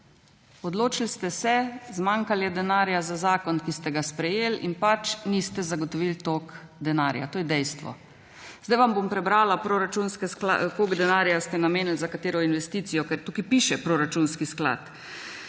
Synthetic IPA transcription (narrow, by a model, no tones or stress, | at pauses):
ɔd̪loːt͡ʃilst̪ɛsɛzmaːŋkaljɛd̪ɛnaːɾjazazaːkɔnkist̪ɛɡaspɾɛjeːlḭnpat͡ʃnist̪ɛzaɡɔt̪ɔʋilt̪oːk | d̪ɛnaːɾja̰t̪oːjɛd̪ɛjst̪ʋɔ̰ | zd̪ajʋambompɾɛbɾaːlapɾoɾat͡ʃunskɛska̰k̪oɡd̪ɛnaːɾjast̪ɛnameːnilzakat̪eːɾɔinʋɛst̪it̪sijɔkɛɾt̪uːkipiʃɛpɾoɾat͡ʃunskiskla̰t̪